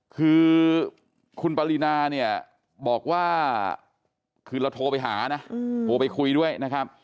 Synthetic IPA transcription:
kʰɯː˧ | kʰu˧npaː˧li˧naː˧ni˥˩ɐ | bɔː˨˩k̚waː˥˩ | kʰɯː˧la˧wt̪ʰoː˧pa˧jɦaː˩˦na˦˥t̪ʰoː˧pa˧jkʰu˧jdu˥˩əjna˦˥kʰɾp̚

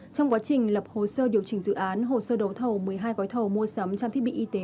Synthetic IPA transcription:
t͡ɕɔ˧wŋ͡mkwaː˨˦t͡ɕï˨˩ŋ̟lə˨˩p̚ho˨˩səː˧ɗi˨˩əwt͡ɕï˨˩ŋzɨ̰˧˨ʔaː˨˦nɦo˨˩səː˧ɗə˨˦wt̪ʰə˨˩wmɨ˨˩əjɦaː˧jɣɔ˨˦jt̪ʰə˨˩wmu˧əsə˨˦mt͡ɕaː˧t̪ʰi˦˥ɓi˧˨ʔi˧t̪e˨˦

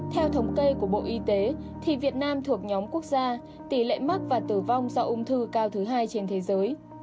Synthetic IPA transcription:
t̪ʰɛ˧wt̪ʰə˨˦wŋ͡mke˧ku˧˩əɓo̰˧˨ʔi˧t̪e˨˦t̪ʰi˨˩vi˨˩ət̚naː˧mt̪ʰu˨˩ək̚ɲɔ˨˦mku˦˥ək̚zaː˧ | t̪i˧˩lḛ˧˨jmə˦˥k̚vaː˨˩t̪ɨ˧˩va˧wŋ͡mzɔ˧ʔu˧ŋ͡mt̪ʰɨ˧kaː˧wt̪ʰɨ˨˦ɦaː˧jt͡ɕe˧nt̪ʰe˨˦zəː˨˦j

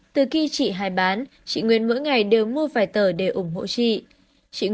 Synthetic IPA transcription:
t̪ɨ˨˩xi˧t͡ɕḭ˧˨ɦaː˨˩jɓaː˨˦n | t͡ɕḭ˧˨ŋwḭ˧˨ənmo̰˧˥jŋa˨˩jɗe˨˩wmu˧əfaː˧˩jt̪əː˧˩ɗe˧˩ʔʊ˧˩ŋ͡mɦo̰˧˨t͡ɕḭ˧˨ | t͡ɕḭ˧˨

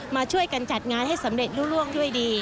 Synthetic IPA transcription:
maː˧t͡ɕʰu˥˩əjka˧nt͡ɕa˨˩t̪̚ŋaː˧nɦa˥˩jsa˩˦mɾe˨˩t̪̚ɾuː˥˩ɾu˥˩əŋdu˥˩əjdiː˧

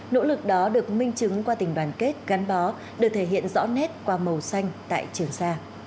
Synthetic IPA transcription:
no̰˧˥lɨ˨˩k̚ɗɔ˨˦ɗɨ˨˩ək̚mï˧ŋ̟t͡ɕɨ˨˦ŋkwaː˧t̪ï˨˩ŋ̟ɗwaː˨˩nke˦˥t̚ɣa˨˦nɓɔ˨˦ | ɗɨ˨˩t̪ʰe˧˩ɦḭ˧˨ənzɔ̰˧˥nɛ˦˥t̚kwaː˧mə˨˩wsa˧jŋ̟t̪a̰ː˧˨jt͡ɕɨ˨˩əŋsaː˧

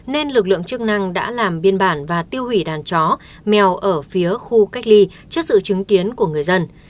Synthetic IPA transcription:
ne˧nlɨ˨˩k̬̚lɨ̰˧˨əŋt͡ɕɨ˦˥k̚na˧ŋɗa̰ː˧˥laː˨˩mɓi˧ənɓaː˧˩nvaː˨˩t̪i˧əwhwi˧˩ɗaː˨˩nt͡ɕɔ˨˦ | mɛ˨˩wʔəː˧˩fi˨˦əxu˧ka˦˥k̟̚li˧ | t͡ɕɨ˦˥k̚sɨ̰˧˨t͡ɕɨ˨˦ŋki˨˦ənku˧˩əŋɨ˨˩əjzə˧n

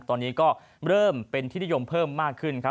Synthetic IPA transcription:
t̪ɔː˧nːiː˦˥kɔː˥˩ | ɾɤː˥˩mpe˧nt̪ʰiː˥˩n˦˥jo˧mpʰɤː˥˩mːaː˥˩kʰːɯ˥˩nkʰa˦˥

